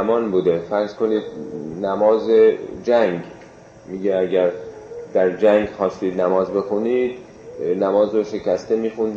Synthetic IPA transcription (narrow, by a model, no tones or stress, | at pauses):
mɒːnbuːd̪efæɾz̥koniːd̪næmɒːzed͡ʒæŋɡ | miːɡeæɟæɾd̪̥æɾd͡ʒæŋɡxɒːst̪iːd̪næmɒːzbe̞xuniːd̪ | næmɒːzɾoʃe̞cæst̪emiːxund̪